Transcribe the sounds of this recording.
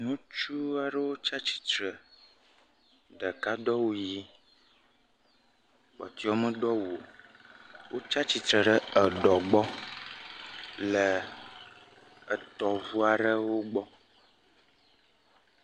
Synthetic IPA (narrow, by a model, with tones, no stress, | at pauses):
nũ˦t͡ʃu˦a˨ɖə˦wo˦t͡ʃa˦t͡ʃi̥˨t̪ɾə˨ | ɖə˨ka˦ɖɔ˦wo˦ji˦ | k͡pɔ̰˨t̪i˦ɔ˦mə̃˦ɖɔ˦wu˨o˨ | wʔo˦t͡ʃa˦t͡ɕi˨t̪ɾə˨ɖə˦ə˨ɖɔ˨ɡ͡bɔ˦ | lə˨ | ə˨t̪ɔ˨vu˦a˨ɖə˦wo˦ɡ͡bɔ˦